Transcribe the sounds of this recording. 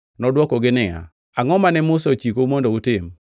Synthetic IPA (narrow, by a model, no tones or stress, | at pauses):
nɔdwɔkɔɡɪnɪa̰ | aŋɔmanɛmʊsot͡ʃikomondoutɪm